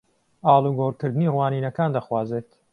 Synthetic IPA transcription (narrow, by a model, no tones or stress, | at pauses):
aːlˠuɡoɾkɨɾd̪ɨniːrwaːniːnɐkaːnd̪ɐxwaːzeːt̪